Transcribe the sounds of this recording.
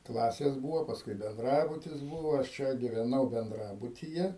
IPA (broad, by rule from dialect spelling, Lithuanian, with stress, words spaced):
ˈklˠɑːsʲeːs ˈbuːʋoː pɐsˈkʊɪ bʲɛnˈdrɑːbʊtʲɪs ˈbuːʋoː ɐʃ ˈt͡ʃʲɛ ɡʲɪʋʲɛˈnɐʊ bʲɛnˈdrɑːbʊtʲiːjɛ